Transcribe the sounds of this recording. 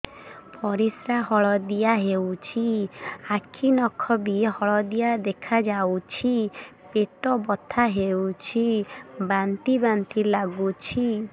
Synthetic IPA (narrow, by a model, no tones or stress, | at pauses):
pɔɾisɾaɦɔɭɔd̪ijaɦewt͡ʃʰiakʰinɔkʰɔbihɔɭɔd̪ijad̪ekʰad͡ʒawt͡ʃʰi | peʈɔbɔt̪ʰaɦewt͡ʃʰibant̪ibant̪ilaɡut͡ʃʰi